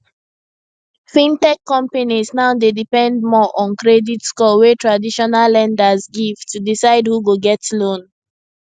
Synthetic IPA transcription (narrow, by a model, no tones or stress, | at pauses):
fĩntɛkːɔ̃mpaniznaʊdedipɛ̃nd̚mɔʔɔ̃nkɹɛditskɔwetɹadiʃɔnalːɛ̃ndazɡiv̥tudisaɪdhuɡoɡɛtlõn